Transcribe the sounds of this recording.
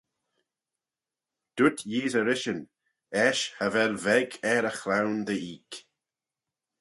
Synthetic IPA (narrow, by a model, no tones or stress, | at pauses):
d̪̥ʊt̪jiːzəɾɪʃən | ɛʃhəvɛlvɛɡɛɾəxɾawnd̪əiːk